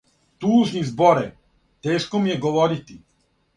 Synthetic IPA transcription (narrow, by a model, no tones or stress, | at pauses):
t̪uːʒnizbɔɾɛ | t̪ɛʃkɔmijɛɡɔvɔɾit̪i